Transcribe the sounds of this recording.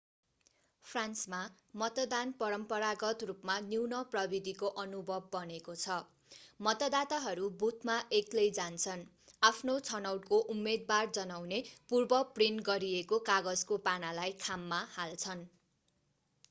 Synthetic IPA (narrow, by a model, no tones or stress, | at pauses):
pʰransma | mʌt̪ʌd̪anpʌɾʌmpʌɾaɡʌt̪rupmaniwnʌprʌbid̪ʱikoʔʌnubʱʌbːʌnekot͡sʰʌ | mʌt̪ʌd̪at̪aɦʌɾubut̪̚ʰmaʔeklʌjd͡zant͡sʰʌn | apʰnot͡sʰʌnʌwʈkoʔumːed̪̚bard͡zʌnawnepurbʌprinɡʌɾiekokaɡʌd͡zkopanalajkʰamːahalt͡sʰʌn